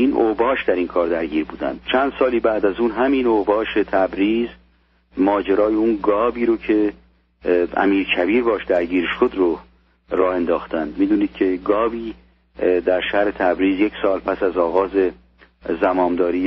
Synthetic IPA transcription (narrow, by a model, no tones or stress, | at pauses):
iːnʔobɒːʃd̪æɾiːnkʰɒːɾd̪æɾɟiːɾbuːd̪æ̰nd̪̥̚t͡ʃʰænd̪̥sɒːliːbæʔd̪æzuːnɦæminobɒːʃet̪ʰæbɾiːz | mɒːd͡ʒeɾɒːjeunɡɒːbiːɾocʰe̞ | æ̰miːɾcʰæbiːɾbɒːʃd̪æɾɟiːɾʃod̪ɾo | rɒːhe̞nd̪ɒːxt̪ænd̪miːd̪uːniːd̪̥̚cʰe̞ɡɒːbiː | d̪æɾʃæhɾe̞t̪ʰæbɾiːzjecsɒːlpʰæsæzɒːɣɒːze | zæmɒːmd̪ɒːɾiː